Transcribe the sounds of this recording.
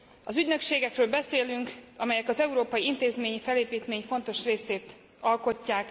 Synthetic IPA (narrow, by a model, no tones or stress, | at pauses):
ɒzyɟnø̞kʃeːɡɛkrøːlbɛseːlyŋkɒmɛjɛkɒzɛuɾoːpɒjiint̪eːzmeːɲifɛleːpiːt̪meːɲfo̞n̪t̪o̞ʃreːseːt̪ | ɒlko̞cːaːk